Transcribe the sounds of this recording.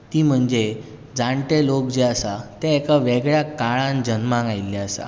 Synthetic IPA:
t̪iːm̤əɳd͡ze | d͡zaɳʈelokd͡ʑeasat̪ẽːkaʋeɡɭjakaɭãnd͡ʑənmãŋɡajlːɛasa̰

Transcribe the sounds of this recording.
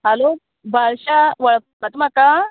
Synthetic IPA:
ɦəlo | bʱaɭɕaʋəɭ | mət̪um̤aka

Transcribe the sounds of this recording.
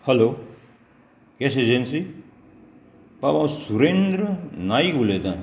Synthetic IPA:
hʌlo | ɡesed͡ʒensi | pabãwsuɾend̪ɾʌnajkulet̪ã

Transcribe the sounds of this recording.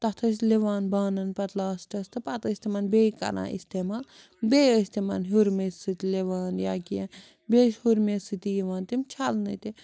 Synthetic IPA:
t̪ɐt̪ʰɐs̬leʋaːnbaːnɐnpɐt̪laːsʈɐst̪ʰɨpɐt̪əsʲt̪imɐnbeːkɐ̰ɾã̰ːʔḭst̪eːmaːl | beːəsʲt̪imɐ̰nɦuɾmesɨt̪leʋaːnjaːkijɐn | beːʃhuɾmesɨt̪ijiʋaːnt̪imt͡ʃʰalnɨt̪i

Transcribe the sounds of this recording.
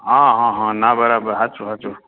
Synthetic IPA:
ãɦãɦɔ̃nabəɾabəɾɦat͡ʃuɦat͡ʃu

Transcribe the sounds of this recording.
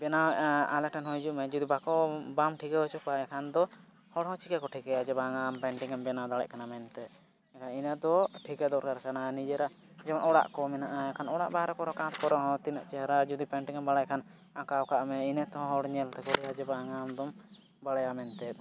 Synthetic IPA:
bɛnawɛaalɛʈɛnɦɔjd͡ʒuʔmɛd͡ʒud̪ibakɔbamʈʰikɛɔt͡ʃupaɛkʰand̪ɔ | hɔɽhɔ̃t͡ʃikakɔʈʰikɛjad͡ʒɛbaŋampɛɳʈiŋambɛnawd̪aɽɛ̰ʔ̚kanamɛnt̪ɛt̪̚ | ɛkʰaninɛd̪ɔʈʰikɛd̪ɔɾkaɾkananid͡ʒɛɾaʔ | d͡ʒɛmanɔɽa̰ʔkɔmɛnaʔaɛkʰanɔɽa̰ʔbaɾɔkɔɾɔkãt̪kɔɾɔɦɔ̃t̪inaʔt͡ʃɛɦɾad͡ʒud̪ipɛɳʈiŋambaɽajkʰan | akawkaʔmɛinɛt̪ɛɦɔ̃ɦɔɽɲɛlt̪ɛkɔɾɛjad͡ʒɛbaŋamd̪ɔm | baɽajamɛnt̪ɛt̪̚

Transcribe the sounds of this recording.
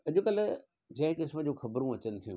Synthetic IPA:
ɐʄʊkɐl | d͡ʑɐ̃ɦɪ̃kɪsməd͡ʑoːxɐbɾũɐt͡ɕənɪ̆t̪ʰijṵ̃

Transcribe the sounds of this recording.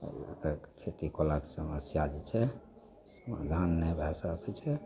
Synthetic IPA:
kəkʰet̪ikolaksəməsjad͡ʒit͡ʃʰɛ | səma̰d̪ʱanːɛbʱɛsakʰɛt͡ʃʰɛ

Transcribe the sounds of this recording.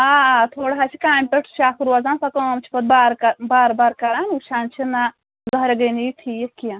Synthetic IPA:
aːt̪ʰoːɽɦaːt͡ʃʰikaːmʲpʲeʈʰt͡ʃʰaːkuɾwɐzaːnsɐkɐmt͡ʃʰi̥pɐt̪̚baːɾkɐbaːɾbaːɾkɐɾaːnut͡ʃʰaːnt͡ʃʰina | zɐɦɾeɡɐniʈʰijekijã

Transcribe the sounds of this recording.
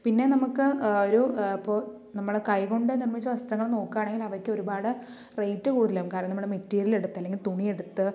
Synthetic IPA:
pinːe̞nɐmukːɨoɾuipːo̞ː | nɐmːɐɭkɐjko̞ɳɖɨnirmit͡ɕːɨʋɐsʈɐŋːɐɭno̞ːkːaːɳe̞ŋɡilɐʋɐɾkʲːɨo̞ɾubaːɽɨ | rejtːɨkuːɽuðileumkaːɾɐnɐnɐmːɐɽemetːiːɾile̞ɽut̪ːɐlːeŋɡilt̪uɳie̞ɽut̪ːɨ

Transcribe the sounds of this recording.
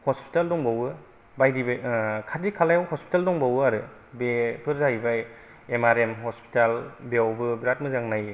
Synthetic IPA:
hɔspi̥taldɔŋbawɯ | bajdibkʰadikʰalajawhɔspi̥taldɔŋbawɯaɾɯ | bepʰɯɾzajbaj | emaɾemɦɔspʰi̥talbewbɯbɾat̚mɯzaŋnaj

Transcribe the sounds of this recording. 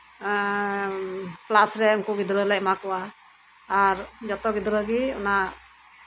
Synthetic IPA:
plasɾɛɔŋkuɡid̪ɾəlɛʔ̚makɔwaː | ɾd͡ʒɔt̪ɔɡid̪ɾəɡiɔ̰na

